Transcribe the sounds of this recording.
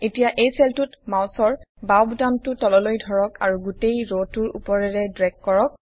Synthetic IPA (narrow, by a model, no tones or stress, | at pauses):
etijaʔejsɛltutmawsɔɹbawbdamtʊtɔlɔlojdʱɔɹɔka̰ɹuɡutejɹotuɹṵpɔɹɛɹɛdɹɛkːɔɹɔk̚